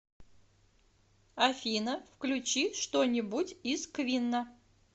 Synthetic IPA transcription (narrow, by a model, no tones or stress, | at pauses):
ɐfʲinəfklʲʉt͡ɕiʂt̪onʲɪbʊtʲiskvʲinːə